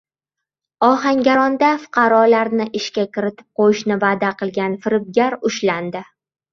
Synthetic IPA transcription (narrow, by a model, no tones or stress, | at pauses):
ɒɦaŋɡʲaɾɒnd̪afʊ̥qʰɑɾɒlaɾnɪʔɪʃkʲakʲɪɾɪt̪ʰɪ̥p̚qʰojɪʃnɪvaːd̪aqʰɨlˠɡʲanfɪɾɪb̚ɡʲaɾʊʃland̪ɪ